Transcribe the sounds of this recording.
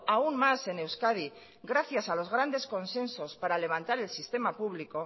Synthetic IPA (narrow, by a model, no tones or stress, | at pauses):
aunmase̞ne̞wskað̞i | ɡɾaθjasalo̞zɣ̞ɾand̪e̞sko̞nse̞nso̞spaɾale̞β̞ant̪aɾe̞lsist̪e̞mapuβ̞liko̞